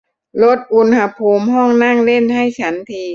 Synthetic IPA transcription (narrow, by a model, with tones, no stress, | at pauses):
lo˦˥t̪̚ʔu˧nha˧pʰuː˧mɦɔː˥˩ŋna˥˩ŋle˥˩nɦa˥˩jt͡ɕʰa˦˥nt̪ʰiː˧